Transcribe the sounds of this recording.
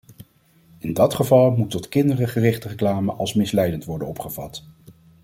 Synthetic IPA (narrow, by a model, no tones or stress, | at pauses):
ɪndɑtχəvɑlˠmutɔtkɪndərəχərɪχtərəklaːməʔɑlˠsmɪslɛjdəntʋɔɹdənɔpχəv̥ɑ̰t